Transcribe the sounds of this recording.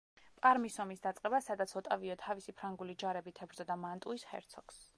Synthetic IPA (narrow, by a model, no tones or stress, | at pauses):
pʼaɾmisɔmisd̪at̪sʼqʼɛbasad̪at̪sʰɔt̪ʼaviɔt̪ʰavisipʰɾaŋɡulid͡ʒaɾɛbit̪ʰɛbɾzɔd̪amant̪ʼuisχɛ̰ɾt̪sʰɔks